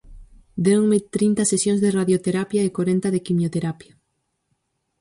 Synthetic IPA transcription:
d̪ewŋmɪt̪ɾint̪ɐsesjõŋzðeraðjot̪eɾapjaekoɾent̪ɐðekimjot̪eɾapja

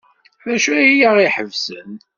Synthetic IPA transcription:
ðæʃuæjaʁiħəvsə̰n

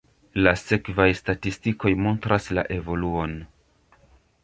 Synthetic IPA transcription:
lase̞kvajstatistiko̞jmo̞ntɾasla̰ʔe̞vo̞luo̞n

